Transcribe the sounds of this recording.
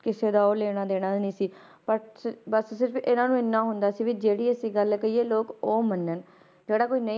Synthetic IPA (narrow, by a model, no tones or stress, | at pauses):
kɪseːd̪aːoːleːɽ̃aːd̪eːɽ̃aːnĩːsiː | pəbəssɪɾəpɪnãːnũːɪnːãːɦʊnd̪aːsiːʋiːd͡ʒeːɽiːəsiːɡəlkəiːeːloːkoːmənːən | d͡ʒeːɽaːkoːiːnə̃